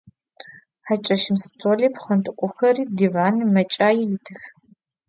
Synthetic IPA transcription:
ħat͡ʃʼɐʃɪmstʰoːliːpʰχɐntʰʼɨkʷʼʊxɐriːdivaːnɨmɐt͡ʃʼaːjɛjɪtʰɨx

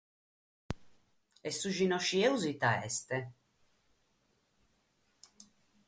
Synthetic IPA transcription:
ɛsːuʒinɔʃiɛuzit̪aɛ̰st̪e

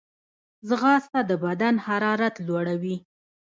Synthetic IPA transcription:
zɣɑst̪ad̪əbad̪anhaɾɑɾat̪lwaɽawi

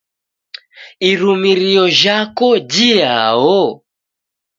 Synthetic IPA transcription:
iɾumiɾijɔʒakɔd͡ʒia̰ɦɔ

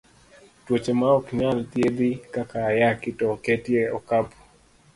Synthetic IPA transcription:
twot͡ʃemaɔkɲalt̪jed̪ikakaːjakɪtɔketjeɔkapɔ̥

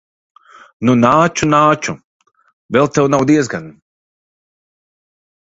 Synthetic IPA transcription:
nunaːt͡ʃunaːt͡ʃu | vɛlˠt̪ɛwnawd̪iɛzɡan

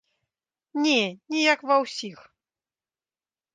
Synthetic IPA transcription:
nʲɛnʲɛjakvɐwsʲix

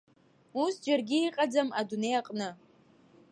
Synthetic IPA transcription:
usd͡ʒɐrɡʲɪiqʼɐd͡zɐmadunejaqʼnɨ

